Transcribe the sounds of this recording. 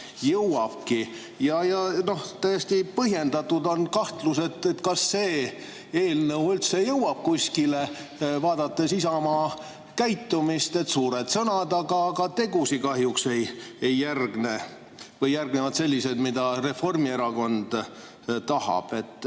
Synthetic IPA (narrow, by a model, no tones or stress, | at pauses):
jɤwɑb̥̚ki | jɑjɑno̞ht̪æjest̪ipɤhje̞nd̪̥ɑt̪ːud̪o̞nkɑht̪luse̞t̪ːet̪ːkɑsːe̞ː | eːlnəwylt̪sejɤwɑb̥̚kusʲkile | vɑːd̪̥ɑt̪ːe̞sisɑmɑː | kæjt̪ːˑumist̪e̞t̪suːɾed̪̥sɤnɑd̪ɑɡ̥ɑɡ̥ɑt̪e̞ɡ̥usikɑɦjukse̞jejːærɡne | vɤjːærɡnevɑt̪se̞lʲːised̪mid̪̥ɑre̞fo̞rmieɾɑko̞nd̪̥ | t̪ːɑhɑ̰b̥e̞t̪ːˑ